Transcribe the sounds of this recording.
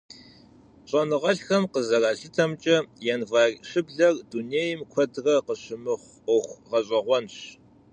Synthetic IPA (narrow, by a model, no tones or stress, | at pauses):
ɕʼɐnɨʁɐɬxɐmqəzɐraːɬɪtʰɐmt͡ʃʼɐjɛnvɐrʲɕɪbɮɐrduneːjɪmkʷʰɔdrɐqəɕɪmɨχʷ | ɔxʷʁɐɕʼɐʁʷɔnɕ